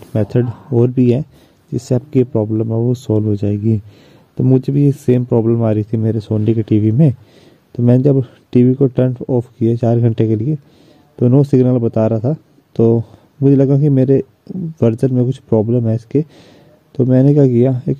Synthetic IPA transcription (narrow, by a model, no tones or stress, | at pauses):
mɛːt̪ʰəɖɔːɾbʱiɦɛ | d͡ʒɪsːeɐp̚kiepɾɔːbləmɐosɔːlʋɦod͡ʒaːeːɡiː | t̪omʊd͡ʒʱebʱijeseːmpɾɔːbləmaːɾiit̪ʰimeːɾesoːnɖikeʈiːʋimẽ | t̪omɛ̃ːned͡ʒɐb | ʈiːʋikoʈɐɳʈɔːfʰkijat͡ʃaːɾɡʱɐ̃ɳʈekelie | t̪onõsɪɡnəlbɐt̪aːɾaat̪ʰa | t̪oː | mʊd͡ʒʱelɐɡak̬imeːɾe | ʋɐɾd͡ʒənmẽkʊt͡ʃʰpɾɔːbləmɦɛɪske | t̪omɛ̃ːnek̬jakijaeːk